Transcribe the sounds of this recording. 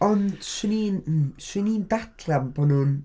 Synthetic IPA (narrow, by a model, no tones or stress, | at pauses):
ɔnd̥swɪniːnswɪniːndatʰrambɔnʊn